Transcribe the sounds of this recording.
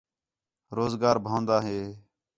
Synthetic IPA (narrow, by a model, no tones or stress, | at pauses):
ɾoːzɡaːɾbʱãːnd̪aːɦeː